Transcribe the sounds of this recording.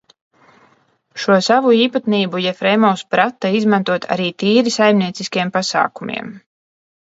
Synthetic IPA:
ʃuɔsavuiːpat̪niːbujɛfɾɛjmɔwspɾat̪ːaizmant̪uɔt̪ʰa̰ɾiːt̪iːɾisajmniɛt̪siskiɛmpasa̰ːkumʲḭɛm

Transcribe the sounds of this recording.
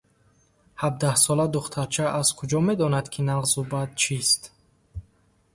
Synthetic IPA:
hab̚d̪ahsɔlad̪uχt̪ʰaɾt͡ʃʰaʔaz̥kʰud͡ʒɔme̞d̪ɔnad̪kʰinaʁzubad̪̚t͡ʃʰist̪

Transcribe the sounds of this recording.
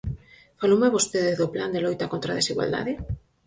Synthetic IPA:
falowmeβost̪eðɪzðopland̪elojt̪akont̪ɾaðesiɣwa̰ld̪a̰ðɪ

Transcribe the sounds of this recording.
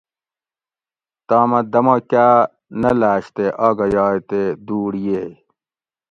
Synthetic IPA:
t̪aːmɐd̪ɐmokaː | nɐlaːɕt̪eʔaːɡɐjaːjt̪ed̪uːɽije

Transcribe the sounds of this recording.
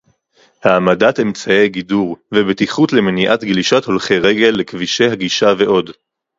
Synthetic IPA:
haːmadate̞mt͡saejɡiduʁvebet̪iχut̪le̞meniʔat̪ɡliʃatho̞lχeʁe̞ɡe̞lːekviʃe̞jɦaɡiʃave̞ʔo̞d

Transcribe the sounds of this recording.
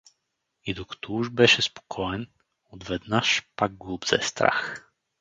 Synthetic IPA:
id̪ɔkt̪ɔuʒbɛʃɛspo̥kʰɔɛn | ɔd̪vɛd̪naʃpaɡ̚ɡlˠubz̥ɛ̰st̪ɾa̰x

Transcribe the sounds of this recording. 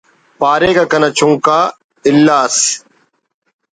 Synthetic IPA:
paːɾeːkaːkənaːt͡ʃũːkaː | ɪlːaːs

